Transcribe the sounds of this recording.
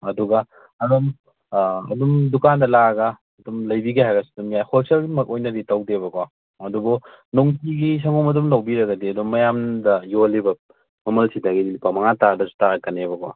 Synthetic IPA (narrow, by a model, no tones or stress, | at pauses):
ɐduɡɐ | ɐdum | ɐ̰dumdukandɐlaɡɐː | dumlɐjbiɡihajɡɐsi̥dumjahosɐlimɐk̚ojnɐditɐwdebɐkwa | ɐdubɔ | noŋtiɡis̬ɐŋɔmɐdumlɐwbiɾɐɡɐdiɐdumːɐjamdɐjolibɐ | mɐmɐlsidɐɡidilipamɐŋatadɐsu̥taɾɐkɐnebɐkwa̰